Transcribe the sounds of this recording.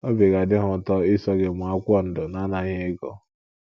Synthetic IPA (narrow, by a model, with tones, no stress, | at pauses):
o˦be˨ɣa˨dɪ˦ɦʊ˨tɔ˦ɪ˦sɔ˦ɡe˨mʊ˨a˦kʷɔ˦n̩˦dʊ˨na˦na˨ɲe˦ɡɔ̰˦